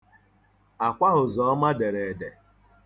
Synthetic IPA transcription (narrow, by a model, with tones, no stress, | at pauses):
a˨kʷa˦ɦʊ˨zɔ˨ɔ˦ma˦de˨ɾe˨de˨